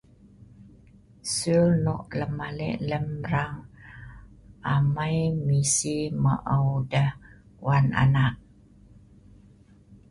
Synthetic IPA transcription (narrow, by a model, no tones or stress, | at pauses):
sulnoʔləmalɛ̰ʔləmɾaŋ | amajmisimə̰ʔəwdəh | wana̰naʔ̚